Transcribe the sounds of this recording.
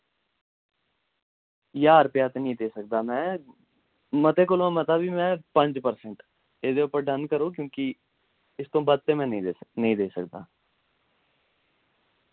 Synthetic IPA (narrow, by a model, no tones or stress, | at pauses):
jaːɾpjaːt̪enəĩd̪eːsək̚d̪aːmɛ̃ː | mət̪ekʊlmẽmət̪abʱimɛ̃ːpə̃ɲd͡ʒpəɾsə̃ɳʈ | eːd̪eʊpəɾɖənkəɾoːk̬jõːki | ɪst̪õːbəd̪̚t̪emɛ̃nəɦĩd̪eːsəkd̪a̰ː